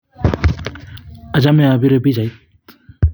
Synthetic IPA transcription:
ɐd͡ʑamẽaːbiɾebʱid͡ʒait̪̚

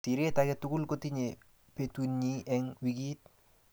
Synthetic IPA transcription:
tiɾetakɛtʊɡʊlkotiɲe | petunɲiɛŋwiɡit̚

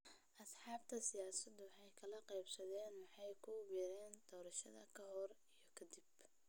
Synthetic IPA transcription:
ʔɐsħɑːb̚t̪ʰɐsɪjaːsɐd̪ʊwɑħɑjkʰɐlɐqɛjbsɐðɛːnwɑħɑjkʰʊwiɾɛːnd̪̥ɔːɾɐʃɐ̰ðɐkʰɐhɔr | ijɞkʰɐd̪ib

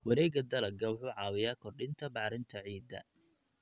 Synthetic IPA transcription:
wɐɾɛːɡɐd̪ɐlɐɡɐwʊħuːʕɑːwɪjaːkʰɔrɖɪnt̪ʰɐbɑħɾɪnt̪ʰɐʕiːd̪ɐ̰

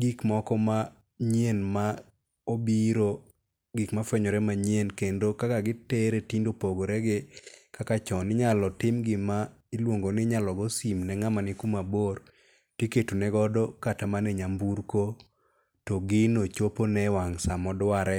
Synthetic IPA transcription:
ɡikmɔkɔma | ɲjenma | obiɾo | ɡikmafwɛɲɔɾɛmaɲjenkendokakaɡɪteɾetindopoɡoɾɛɡɪkakat͡ʃɔnɪɲalɔtɪmɡɪma | ɪlwoŋɡonɪɲalɔɡɔsimnɛŋamanɪkumabor | tjeketunɛɡɔdɔkatamaneɲambuɾko | tɔɡɪnot͡ʃoponɛwaŋsamɔdwaɾɛ

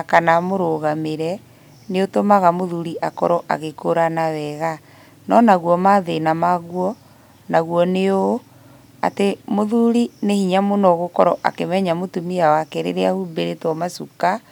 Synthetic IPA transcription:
kanamoɾoɣameɾɛ | neotomaɣamoðuɾiʔakɔɾɔʔa̰ɣekoɾanawɛɣa | nɔnaɣwɔmaðenamaɣwɔ | naɣwɔneo | a̰temoðuɾinehiɲamonɔɣokɔɾɔʔa̰kemɛɲamotumiawakeɾḛɾeahubeɾetɔmasuka

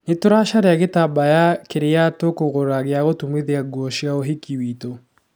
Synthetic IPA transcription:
netoɾaʃaɾeaɣetabajakeɾeatokoɣoɾaɣeaɣotumeðeaɡwɔʃjaoɦikiwito

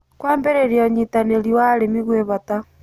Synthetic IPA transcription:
kwaːmbeɾeɾjɔɲitaneliwalemiɣweβata

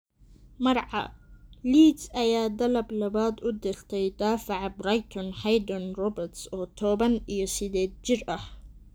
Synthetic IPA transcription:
mɑrʕɑ̰liːd̪sʔɐjaːd̪ɐlɐblɐβaːd̪ʊd̪ɪlt̪ʰɛjd̪aːfaʕbrajt̪ʰɔnħajd̪ɔnrɔbɛrt̪sɔːt̪ʰɔːβɐnijɔsɪd̪ɛːd̪̚d͡ʒɪrɐh

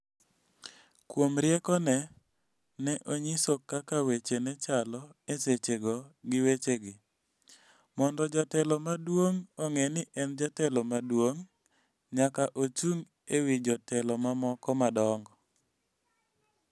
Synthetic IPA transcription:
kwomɾjɛkɔnɛ | nɛʔoɲisokːakawet͡ʃenɛt͡ʃalɔeset͡ʃeɡɔɡɪwet͡ʃeɡɪ | mɔndɔd͡ʒatɛlɔmadwoŋɔŋɛnɪʔɛnd͡ʒatɛlɔmadwoŋ | ɲakaʔot͡ʃuŋ | ewid͡ʒɔtɛlɔmamɔkɔmadɔŋɡɔ

